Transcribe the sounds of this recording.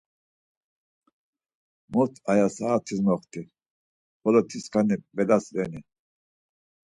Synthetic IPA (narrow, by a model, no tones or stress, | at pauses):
mɔɾt̪ʰajasaːt̪ʰizmɔχt̪ʰi | bɔlɔt̪ʰiskʰanibɛlasɾɛni